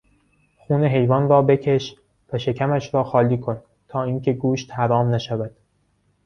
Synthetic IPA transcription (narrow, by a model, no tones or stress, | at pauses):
xuːneɦe̞jvɒːnrɒːbe̞cʰe̞ʃ | væʃe̞cʰæmæʃɾɒːxɒːliːkʰo̞n | t̪ʰɒːiːŋcʰe̞ɡuːʃt̪hæɾɒːmnæʃævæd̪̥